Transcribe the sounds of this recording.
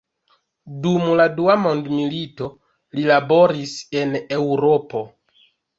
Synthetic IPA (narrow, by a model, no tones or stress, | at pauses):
dumladuamo̞ndmilito̞ | lilabo̞ɾise̞ne̞wɾo̞po̞